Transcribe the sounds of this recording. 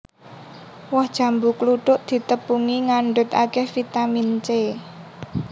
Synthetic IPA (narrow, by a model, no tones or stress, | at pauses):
wɔhd̥ʒ̥ä̤mbukluɖ̥ʊʔd̪̥i̤t̪əpuŋiŋaɳɖʊt̪a̰kɛhfit̪amint͡ʃe